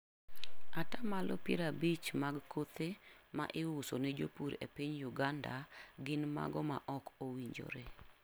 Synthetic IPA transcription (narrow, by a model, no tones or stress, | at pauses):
atamalʔɔpeɾabit͡ʃmaɡkot̪ema̰ʔɪwʊsoned͡ʒo̰puɾḛpiɲjʊɡanda̰ɡɪnma̰ɡɔma̰ʔɔkowiɲd͡ʒo̰ɾe